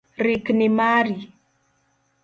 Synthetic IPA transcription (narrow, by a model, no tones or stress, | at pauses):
riknimaɾi